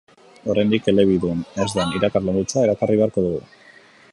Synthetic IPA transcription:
o̞ɾajnd̪ike̞le̞β̞iðuenezd̪eniɾakarland̪ut͡sae̞ɾakariβe̞aɾko̞ðuɣu

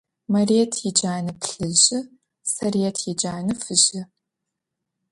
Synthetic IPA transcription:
mɐreːtʰjid͡ʒaːnɨpʰɬɨʑɪ | sɐreːtʰjid͡ʒaːnɨfɨʑɪ

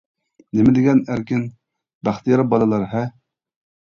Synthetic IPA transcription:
nɪmɪd̪ɪɡʲɛnæɾkʲɪn | bæχt̪ijɑɾbɑlˠɨlˠɑɾɦɛ

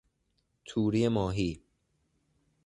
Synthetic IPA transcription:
t̪ʰuːɾiːemɔːɦiː

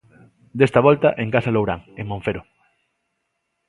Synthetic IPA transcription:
d̪est̪aβɔlt̪aʔeŋkasalowɾa̰ŋeŋmõɱfeɾo

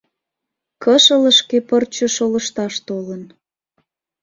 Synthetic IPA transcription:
kəʃələʃkepərt͡ɕəʃoləʃt̪ɑʃt̪olən

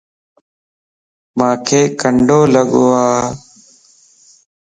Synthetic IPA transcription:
mãːkʰeːkəɳɖoːləɠoːaː

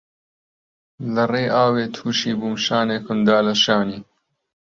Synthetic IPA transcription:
lɐreːʔaːweːt̪ʰuːʃiːbumʃaːneːkʰʊnd̪aːlɐʃaːniː

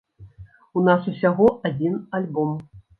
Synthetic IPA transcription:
unasusʲaɣɔʔad͡zʲinalʲbɔm

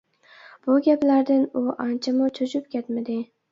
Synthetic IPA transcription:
b̥ʊɡʲaplaɾd̪ɪnʊʔant͡ʃʰamʊt͡ʃʰʊt͡ʃʰʊp̚kʲʰet̪mɪd̪ɪ

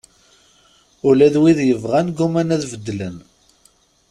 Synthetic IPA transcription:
ʊlæðwiðjəvʁænɡumænæðvəd̪ːlən

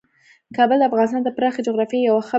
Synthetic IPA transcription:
kɑbəld̪əafɣɑnɪst̪ɑnd̪əpɾɑxed͡ʒʊɣɾɑfjejawaxa

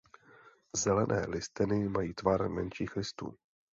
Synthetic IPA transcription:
zɛlɛnʔɛ̰ːlɪst̪ɪnɪmajiːt̪vaɾmɛnʃiːxlɪst̪ṵː

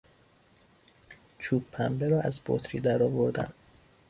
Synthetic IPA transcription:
t͡ʃʰuːbʰæmbeɾɒːæzbo̰t̪ʰɾiːd̪æɾɒːvoɾd̪æ̰n

